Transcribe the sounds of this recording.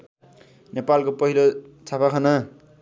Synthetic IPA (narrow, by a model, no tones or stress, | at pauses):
nepalkopʌɦilot͡sʰapakʰʌnʌ